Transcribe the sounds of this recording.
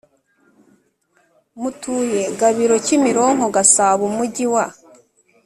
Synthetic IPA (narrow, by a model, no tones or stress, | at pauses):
mutuːje̞ɡaβiɾo̞cimiɾo̞ŋo̞ɡasaːβumuɟiwa